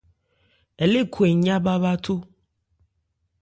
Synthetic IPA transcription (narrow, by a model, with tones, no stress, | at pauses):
e˨le˦kʰo˨e˨ɲã˦ba˦ba˦t̪ʰo˦